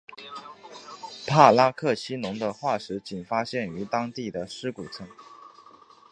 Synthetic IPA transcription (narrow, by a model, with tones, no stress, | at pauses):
pʰa˥˩la˥kʰɤ˥˩t͡ɕʰi˥nʊ˧˥ŋd̪ə˧xwa˥˩ʂɻ̩˧˥t͡ɕi˨˩nfa˥ɕjɛ˥˩ny˧˥t̪ɑ˥ŋt̪i˥˩d̪ə˩ʂɻ̩˥ku˨˩t͡sʰɤ˧˥ŋ